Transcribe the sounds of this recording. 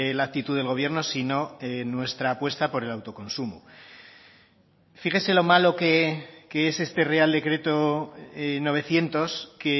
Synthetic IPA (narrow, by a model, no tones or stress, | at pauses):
lak̚t̪it̪uðelɣo̞β̞je̞ɾno̞sino̞enwe̞st̪ɾaːpwe̞st̪apo̞ɾe̞lawt̪o̞ko̞nsumu | fixese̞lo̞malo̞kekeese̞st̪e̞re̞ald̪e̞kɾe̞t̪o̞ | no̞β̞e̞θje̞nt̪o̞ske